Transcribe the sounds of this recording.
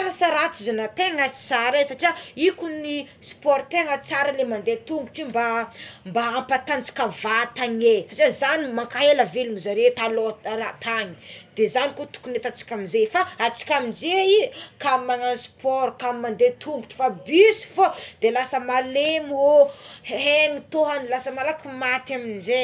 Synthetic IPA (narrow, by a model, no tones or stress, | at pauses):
ɾasaɾat͡suzanat̪eŋat͡saɾesaʈ͡ʂiaikunispɔɾt̪eŋət͡saɾalemand̪et̪uŋɡu̥ʈ͡ʂimbambaampat̪and͡zi̥kavat̪aŋesaʈ͡ʂiazanimaŋkaɦelavelumizaɾet̪aloɾat̪aŋi̥d̪̥ezanikot̪u̥kunet̪at͡si̥kʲamizefaat͡si̥kʲamind͡ʒeikamːaŋanspɔɾkamimand̪et̪ʰuŋɡuʈ͡ʂi̥fabysu̥fod̪̥elasəmalemoɦeŋit̪oɦanilasəmalakumat̪aminze